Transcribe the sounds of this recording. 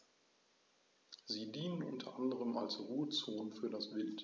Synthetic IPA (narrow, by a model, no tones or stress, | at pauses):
ziːdiːnənʔʊ̰ntʰɐʔandəʁəma̰lsʁuːət͡soːnfyːɐdasv̥ɪlt